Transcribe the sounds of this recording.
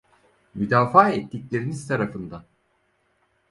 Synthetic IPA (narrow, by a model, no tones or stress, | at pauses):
myd̪aːfaːɛt̪ʰːiclʲe̞ɾiniz̥t̪ʰaɾafɯnd̪an